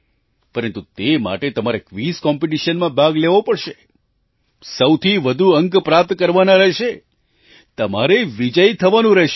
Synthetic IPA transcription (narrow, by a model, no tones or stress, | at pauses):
pəɾənt̪ut̪ema̰ʈet̪əmaɾekʋiskɔmpeʈiʃənmãbʱaɡleʋopəɽʃe | səwt̪ʰiʋəd̪ʱuəŋkpɾap̚t̪kəɾʋanaɾəɦʃe | t̪əmaɾeʋid͡ʒəjt̪ʰəʋanũɾɛɦʃ